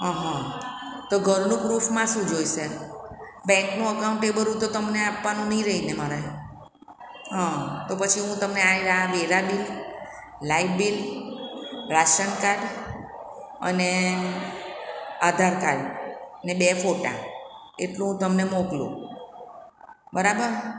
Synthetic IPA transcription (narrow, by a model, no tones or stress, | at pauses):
ɦaɦãt̪oɡʱəɾnũkɾufmãʃũd͡ʒoiʃe | bɛ̃ŋknũəkauɳʈebəɾũt̪ot̪əmneapʋanũnəĩɾəɦinemaɾe | ɦãt̪opət͡ʃʰiɦũt̪əmneaiɾaɦaʋeɾabil | laiʋbil | ɾaʃənkaɖ | ə̰ne | ad̪ʱaɾkalnebefoʈa̰ | eʈlũɦũt̪əmnemoklṵ̃ | bəɾabəɾ